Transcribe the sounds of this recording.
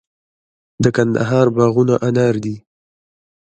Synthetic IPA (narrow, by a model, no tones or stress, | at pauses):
d̪əkand̪a̰ɦɑɾbɑɣunaʔanaɾd̪i